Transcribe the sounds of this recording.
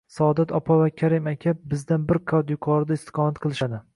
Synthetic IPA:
sɒːd̪at̪ʰɒpʰɒvakʲʰaɾɪmakʲʰap̚bɪzd̪anbɪɾkʰad̪jʊkʰɒɾɪd̪aɪst̪ʰɨ̥qʰɒmat̪̚qʰɨlˠɪʃad̪ɪ

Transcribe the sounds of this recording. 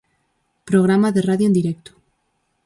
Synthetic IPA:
pɾoɣ̞ɾamaðeraðjoend̪iɾek̚t̪o̥

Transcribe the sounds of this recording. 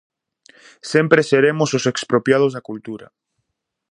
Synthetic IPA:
sempɾeseɾemʊsʊsekspɾopjað̞ʊzðakult̪uɾa̰

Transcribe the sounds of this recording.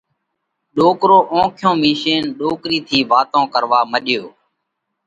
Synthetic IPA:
ɗoːkɾoːʔõːkʰɪjõːmiːʃeːnɗoːkɾiːt̪ʰiːʋaːt̪õːkəɾʋaːməɗɪjoː

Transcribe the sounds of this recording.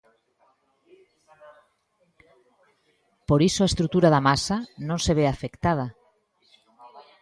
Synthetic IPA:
poɾisoaest̪ɾut̪uɾaðamasanõŋseβ̞eafekt̪að̞ɐ

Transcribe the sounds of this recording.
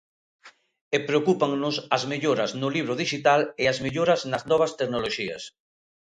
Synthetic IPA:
epɾeokupaŋnʊsɐzmeʎoɾɐznʊliβ̞ɾoðiʃit̪aleazmeʎoɾɐznɐznɔβ̞ast̪eknoloʃiɐ̰s

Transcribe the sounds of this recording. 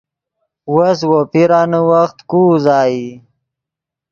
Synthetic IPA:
wəs̬wopiɾaːnəwaxt̪kuːzɑːji

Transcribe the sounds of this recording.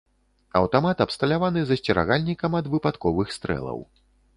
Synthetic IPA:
ɐ̰wt̪amat̪ɐpst̪ɐlʲavanɨzɐsʲt͡sʲɛɾa̰ɣalʲnʲikɐmɐd̪vɨpat̪kɔvɨxst̪ɾɛ̰lˠɐ̰w

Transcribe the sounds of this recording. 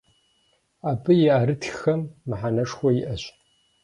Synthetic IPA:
aːbʰɨjɪaːɾɨtʰxxɐmːɨħanɐʂxʷɔjɪʔɐɕ

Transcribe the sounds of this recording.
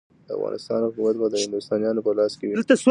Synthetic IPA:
d̪̥əa̰vɣɑ̰nɪst̪ɑ̰nhʊkumat̪̚bɑd̪əhɪnd̪ʊst̪ɑnjɑnopəlɑskewlt̪as

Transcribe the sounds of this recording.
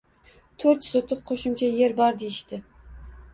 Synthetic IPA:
t̪ʰɵɾt̪sot̪ʰɨqqʰoʃɪmt͡ʃʰaje̞ɾbɒɾd̪ejɪʃt̪ɪ

